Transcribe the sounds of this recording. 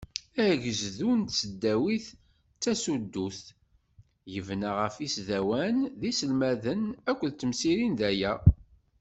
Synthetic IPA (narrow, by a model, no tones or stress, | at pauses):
æʝəzðunt̪səd̪ːæwiθ | t͡sːæsud̪ːuθ | jəvnaʁəfisðæwænðisəlmæðənækʷːəðt͡s̪ːəmsiɾinðæjæ